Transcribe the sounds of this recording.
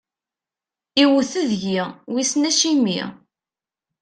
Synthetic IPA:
iwəθəðʝiʁwisnæʃimḭ

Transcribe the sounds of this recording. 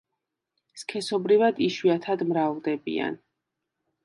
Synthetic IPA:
skʰɛsɔbɾivad̪iʃwiat̪ʰad̪mɾavd̪ɛbḭa̰n

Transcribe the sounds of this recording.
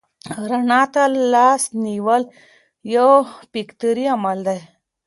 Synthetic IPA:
ɾənat̪alːasniʋəl | jəpikt̪əɾiamald̪aj

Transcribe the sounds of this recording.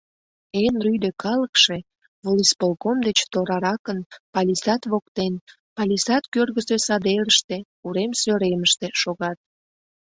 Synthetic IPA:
enryjd̪ekɑləkʃe | βolispolkomd̪et͡ɕt̪oɾɑɾɑkənpɑlʲisɑt̪βokt̪en | pɑlʲisɑt̪kørɣəsesɑd̪eɾəʃt̪e̽ | uɾemsøɾeməʃt̪e̽ʃoɣɑt̪̚

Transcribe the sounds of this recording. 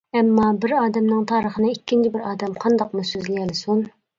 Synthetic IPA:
ɛmːɑbɪɾɑːd̪ɛmnɨŋt̪ʰɑːɾəχənɨikʲʰːint͡ʃʰɪbɪɾɑːd̪ɛmqʰɑnd̪ɑq̚musøzlɪjɛlɪsun

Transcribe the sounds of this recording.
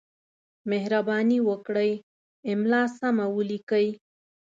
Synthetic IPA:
mehɾabɑniwəkɽəj | ɪmlɑsamawəlikəj

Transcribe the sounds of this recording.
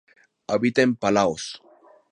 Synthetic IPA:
aβit̪empalaws

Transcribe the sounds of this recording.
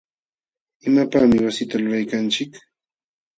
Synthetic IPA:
ɪmapaːmɪwasɪt̪alʊɾajkant͡ʃɪk

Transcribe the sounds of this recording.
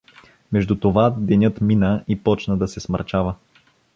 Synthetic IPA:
mɛʒd̪ut̪ovad̪ɛnʲɤt̪minəipɔt͡ʃnəd̪ɐsɛsmə̰ɾt͡ʃavə

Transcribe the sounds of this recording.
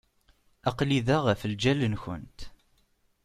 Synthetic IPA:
ɑqliðæʁəfəld͡ʒælənçə̰nt̪

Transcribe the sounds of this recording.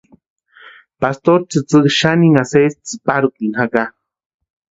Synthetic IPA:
past̪oɾt͡sɨt͡sɨkʃaniŋasest͡sɨ̥paɾkiŋhaka

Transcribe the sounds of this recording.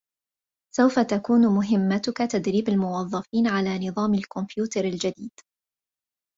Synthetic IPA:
sawfat̪akuːnmʊɦɪmːat̪ʊkat̪ad̪ɾiːbalmʊwɑðˤːɑfiːnʕalaːnɨðˤɑːmalkʊmpjuːt̪ɑɾˤald͡ʒad̪iːd̪̥

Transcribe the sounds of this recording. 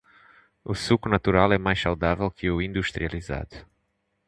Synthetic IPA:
usukunɐt̪uɾalˠɛmajʃsawd̪avɛlˠkʰɨuĩnd̪uʃt̪ɾiɐlˠiza̰ðu

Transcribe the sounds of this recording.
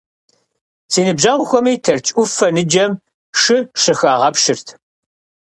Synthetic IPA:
sʰiːnɨbʑɐʁʷʊxʷɔmiːtʰɐrt͡ʃʼʊfɐnɨd͡ʒɐm | ʂɨʂɨxaːʁɐpʃɨrtʰ

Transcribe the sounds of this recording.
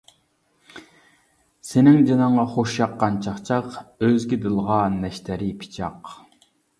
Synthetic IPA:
senɪŋd͡ʒɑnɑɴʁɑχoʃjɑqːɑnt͡ʃʰɑχt͡ʃʰɑqøzɡʲid̪ɨlˠʁɑnːɛʃt̪ʰɛɾipʰi̥t͡ʃʰɑq

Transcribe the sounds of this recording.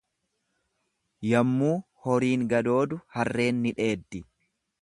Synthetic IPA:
jɐmːuː | hɔɾiːŋɡɐd̪o̞ːd̪ʊhɐrːe̞ːnːɪᶑe̞ːd̪ːɪ

